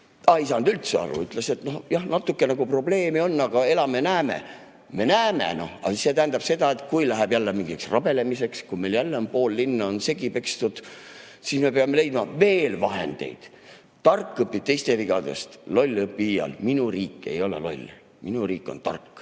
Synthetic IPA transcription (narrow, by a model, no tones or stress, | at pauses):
ɑis̬ɑnd̪̥ylt̪seɑ̰ɾṵyt̪ˑlese̞t̪no̞hjɑhnɑt̪ːˑukːenɑɡ̥upro̞ble̞ːmio̞nːɑɡ̥ɑe̞lɑmenæːme̞̰ | me̞næːmḛno̞̰hɑ̰se̞t̪æɦːnd̪ɑb̥se̞d̪̥ɑe̞t̪kujlæɦæɛb̥jælːemiŋɡiksrɑb̥e̞le̞mise̞kskume̞ljælːeonpo̞ːlːinːɑonse̞ɡipe̞kst̪ud̪̥ | sisme̞peɑme̞le̞jd̪̥mɑve̞ːlvɑɦe̞̰nd̪̥e̞̰jd̪̥ | t̪ɑrkːˑɤpːit̪e̞jst̪e̞viɡ̥ɑd̪e̞̰st̪lo̞lʲːɤpːiiːjɑ̰lminuriːkːe̞̰jo̞lḛlo̞̰lʲː | minuriːkːˑo̞nt̪ɑ̰rkːˑ